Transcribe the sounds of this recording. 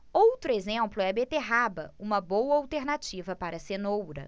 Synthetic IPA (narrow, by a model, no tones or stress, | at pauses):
owt̪ɾʊezẽplʊɛɐbet̪eɦabɐ̰ũmɐbowɐawt̪eɾnat͡ʃivɐpaɾɐsenowɾɐ̰